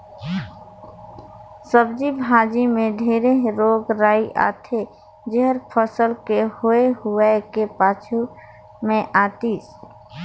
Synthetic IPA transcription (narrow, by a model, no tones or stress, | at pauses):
səbd͡ʒibʱaːd͡ʒimẽd̪ʱeːɾeɦɾoːɡɾaːiʔa̰ːt̪ʰe | d͡ʒeɦəɾpʰəsəlkehoeɦuekepaːt͡ʃʰu | mẽʔaːt̪iːs